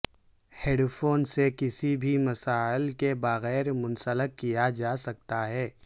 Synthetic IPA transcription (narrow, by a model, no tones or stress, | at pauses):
heːɖfʰoːnsekɪsibʱimɐsaːɪlkebɐɣɛːɾmʊ̃nsələkkːijad͡ʒaːsɐk̚t̪aɦɛː